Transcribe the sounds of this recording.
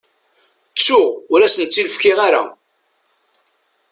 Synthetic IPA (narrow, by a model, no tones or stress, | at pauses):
t͡sːʊʁʊɾæsənt͡sːiləfkɪʁaɾa̰